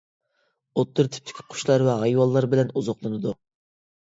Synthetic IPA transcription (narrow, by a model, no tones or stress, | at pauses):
ot̪ːʊɾt̪ʰy̥p̚t̪ʰɪ̥kʲʰi̥qʰʊ̥ʃlˠɑɾwɛɦɑjwɑlˠːɑɾbɪlɛnuzɑqlˠɨnɨd̪u